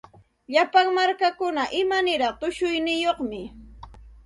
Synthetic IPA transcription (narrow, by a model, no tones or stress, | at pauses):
ʎapaŋmaɾkakʊnaʔɪmanɪɾɑχt̪ʊʃʊjnɪjoχmɪ